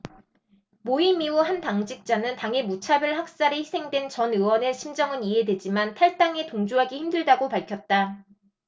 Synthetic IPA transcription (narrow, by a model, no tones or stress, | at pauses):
moimiuɦantaŋd͡ʑik̚t͡ɕ͈anɯntaŋemut͡ɕʰabjʌɭhak̚s͈aɾeçisʰe̞ŋdwe̞nt͡ɕʌnɯwʌneɕʰimd͡ʑʌŋɯniɦe̞dwe̞d͡ʑimantʰaɭt͈aŋe̞toŋd͡ʑuɦaɡiçimdɯɭdaɡopaɭkʰjʌt̚t͈a